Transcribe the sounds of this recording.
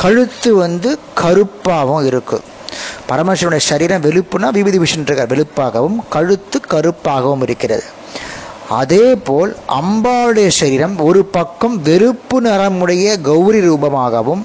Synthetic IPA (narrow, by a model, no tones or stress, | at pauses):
kɐɻɯt̪ːɯʋɐnd̪ɯ | kʰɐɾɯpːaːʋɯmɪɾɯkːɯ̰m | pɐɾɐmɐʂɐnʊɽɐjɐʃɐɾiːɾɐmʋɛlɯpːɯnaːʋɪʋɪðɪʋɪʂɐndrɯɣɐɾʋɛɭɯpːaːɣɐʋɯmkɐɻɯt̪ːɯkɐɾɯpːaːɣɐʋɯmɪɾɯkːɪrɐ̰ðɯ | ɐ̰ðeːpoːlɐ̰mbaːɾɯɽɐjɐʂɐɾiːɾɐmɔɾɯpɐkːɐmʋɛɾɯpːɯnɐɾɐmɯɽɐjɐɡɐʊɾiɾuːbɐmaːɣɐʋɯm